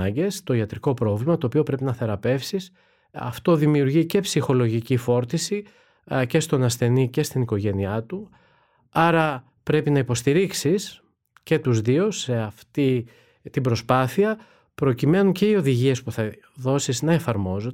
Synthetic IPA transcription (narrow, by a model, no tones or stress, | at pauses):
ɐɲɟe̞st̪o̞iɐt̪ɾiko̞pɾo̞vlimɐt̪o̞ːpio̞pɾe̞pinɐθe̞ɾɐpe̞fsis | ɐ̰ft̪o̞ðimiuɾʝice̞psixo̞lo̞ʝicifo̞ɾt̪isi | ce̞st̪o̞nɐsθe̞nice̞st̪iniko̞ʝe̞niɐt̪u | ɐɾɐ | pɾe̞pinɐipo̞st̪iɾiksis | ce̞t̪uzðiose̞ɐft̪i | t̪ibɾo̞spɐθiɐ | pɾo̞cime̞nuce̞io̞ðiʝie̞spuθɐ | ðo̞siznɐe̞fɐɾmo̞zo